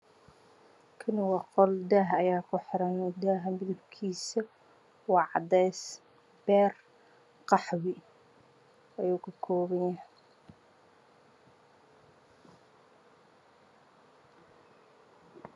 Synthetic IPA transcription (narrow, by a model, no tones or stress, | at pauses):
kʰɐnɪwɑqɔld̪aɦɐjaːkʰʊħɪɾɐnd̪aːɦɐmɪðʊbkʰiːsɐ | wɑʕɑd̪ɛːs | b̥ɛːr | qɑħwɪ | ɐjuːkʰɐkʰɔːβɐjɐh